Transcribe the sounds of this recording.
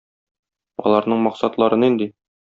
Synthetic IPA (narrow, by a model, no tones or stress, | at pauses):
ɒ̰lˠɑɾnɤɴmɒqsɑt̪lˠɑɾɤnind̪i